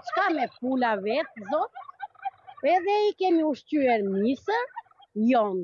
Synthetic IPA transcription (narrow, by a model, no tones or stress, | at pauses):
t͡ʃkamɛfulavɛt̪̚zɔt̪ | ɛðɛikɛmiuʃt͡ɕyɛɾmisə | jɔn